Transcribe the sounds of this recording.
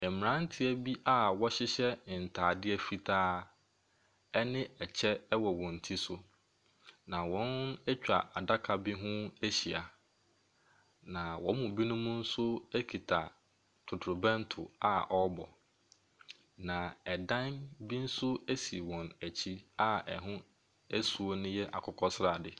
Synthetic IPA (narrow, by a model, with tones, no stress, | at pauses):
ɛ˨m˨ɾã˦n̩˦tʰɪ˦æ˦bi˦ʔa˦wɔ˦ɕɪ˦ɕɛ˦˨n̩˨tʰaː˨dɪ˦ɛ˦fi˦tʰaː˦ | ɛ˦nɪ̃˦ɛ˨t͡ɕʰɛ˦ɛ˦wɔ˨wɔ̃˨n̩˨tʰi˦sʊ˦ | nã˨wɔ̃˨˦nɛ˦t͡ɕᶣa̰˨ʔa˨da˦kʰa˨bi˦ɦʊ̃˦æ˦ɕi˨a˨ | nã˨wɔ̃˨˦mʊ̃˨bi˦nũ˦mũ˦n̩˦sʊ˦æ˦kʰi˨tʰa˨ | tʰʊ˨tʰɾʊ˨bɛ̃˦n˦tʰʊ˨a̰˦ʔɔ˦bɔ̰˨ | nã˨ɛ˨dã˦nbi˦n̩˦sʊ˦æ˦si˨wɔ̃˨næ˨t͡ɕʰi˦a˦ɛ˨ɦʊ̃˦ | æ˦su˨o˦nʊ̃˦jɛ˦ʔa̰˨kʰʊ˦kʰɔ˦sɾa˨dɪ˨